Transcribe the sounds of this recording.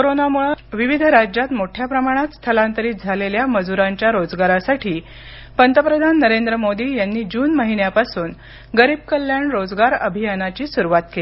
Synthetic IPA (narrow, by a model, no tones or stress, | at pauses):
koɾonamuɭʋiʋid̪ʱɾad͡ʑjat̪moʈʰjapɾəmaɽ̃at̪st̪ʰəlãnt̪əɾiːt̪̚d͡zʱaleljaməd͡zuɾaɲt͡ɕjaɾod͡zɡaɾasaʈʰiː | pənt̪əpɾəd̪ʱanːəɾend̪ɾəmod̪iːjanːiːd͡ʑuːnməɦinjapasuːn | ɡəɾiːb̚kəljaɳɾod͡zɡaɾəbʱijanat͡ɕiːsuɾuʋat̪̚keli